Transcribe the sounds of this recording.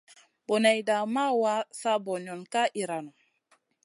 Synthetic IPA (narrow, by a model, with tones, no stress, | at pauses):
bo˨na˨jda˨ma˦wa˦sa˦bɔ˨ɲɔ˨nka˦ʔi˨ɾa˨no˨